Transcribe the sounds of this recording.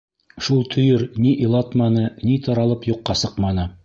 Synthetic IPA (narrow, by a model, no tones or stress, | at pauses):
ʃulˠt̪ʰɵ̆jɘɾniʔilˠɑt̪mɑnɤnit̪ʰɒɾɑlˠɤpjuqːɑsɤqmɑnɤ